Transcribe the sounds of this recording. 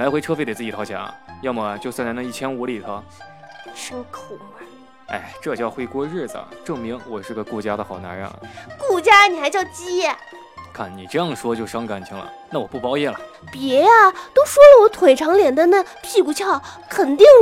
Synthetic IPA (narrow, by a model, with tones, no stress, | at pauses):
la˧˥xwe˧˥ɪʈ͡ʂʰɤ˥fe˥˩d̪t͡sɹ̩˥˩t͡ɕi˨˩ɑ˧˥ʊt͡ɕʰja̰˧˥jɑ˥˩ʊmə˧˩t͡ɕjo˥˧ʊswa˥˩nt͡snə˥˧i˥˩t͡ɕʰjɛ˥nu˧˥li˨˩t̪ʰə˧˥ | ʂə˥ŋkʰo˨˩˧ | a̰˧˩ɪʈ͡ʂɤ˥˧t͡ɕjɑ˥˩ʊxwe˥ɪkwɔ˥ɻɻ̩˥˩d͡z̩̰˩ʈ͡ʂɤ˥˩ŋmi˧˥ŋwɔ˨˩ʂɻ̩˥˩ɡə˩ku˥˩t͡ɕja˥d̪ə˨xɑ˨˩ʊna̰˧˥ɻə̰˧˩nku˥˩t͡ɕja˥ni˨˩xa˧˥ɪt͡ɕjɑ˥˧˩ʊt͡ɕi˥ɛ˥˨˩ | kʰa˥˩nni˨˩ʈ͡ʂɤ˥˧jɑ˥˩ŋʂwɔ˥t͡ɕjo˥˩ʊʂɑ˥ŋka˨˩nt͡ɕʰi˧˥ŋlə̰˨na˥˩wɔ˨˩pu˥˩pɑ˥ʊjɛ˥˩lə̰˩ | pjɛ˧˥a˧t̪o˥ʊʂwɔ˥lə˨wɔ˧˥t̪ʰwe˨˩ɪʈ͡ʂʰɑ˧˥ŋljɛ˨˩nd̪ə˧na˥˧˩pʰi˥˩ku˧˥t͡ɕʰjɑ˥˩ʊkʰə˨˩nt̪i˥˩ŋ